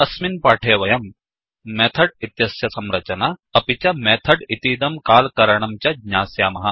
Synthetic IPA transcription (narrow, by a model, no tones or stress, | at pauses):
ɐsminpaːʈʰeːʋɐjɐmː | eːt̪ʰɐɖit̪jɐsjɐsɐmɾɐt͡ʃɐnaɐpit͡ʃɐmeːt̪ʰɐɖit̪iːd̪ɐmkaːlkɐɾɐɳ̃ɐmt͡ʃɐɡɲaːsjaːmɐɦɐ